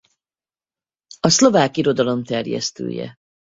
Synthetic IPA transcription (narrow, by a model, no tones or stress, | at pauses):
ɒslo̞vaːkiɾo̞d̪ɒlo̞mt̪ɛrjɛ̰st̪ø̰ːjɛ̰